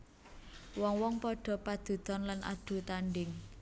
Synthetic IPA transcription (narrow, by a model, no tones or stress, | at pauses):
wɔŋwɔŋpɔɖ̥ɔ̤pad̪̥ṳd̪̥ɔnlanʔa̰d̪̥ṳt̪aɳɖɪŋ